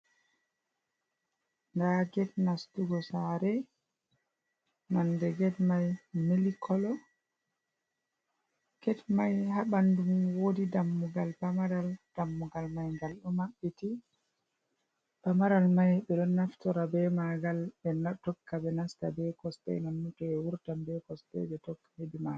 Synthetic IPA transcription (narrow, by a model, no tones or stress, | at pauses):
ŋɡaɡɛtnastuɡɔsaɾɛ | mandɛɡɛtmajmilikʰɔlɔ | ɡ̥ɛtmajɦaɓandumwodidamːuɡalbamaɾald̥amːuɡalmajŋɡalɗumaɓːiti | b̥amaɾalmajɓɛɗɔnːaftɔɾabɛmaɡalɛnatɔkːabɛnasta̰bɛkɔstɛ̰nanːutɔɛwuɾtambɛkɔstɛ̰ɓɛtɔkːhedima